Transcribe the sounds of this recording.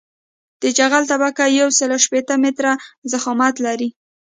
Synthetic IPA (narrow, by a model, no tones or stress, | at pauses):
d̪̥əd͡ʒaɣalt̪abakajawsəlaʃpet̪əmɪt̪ɾazaxɑmat̪laɾi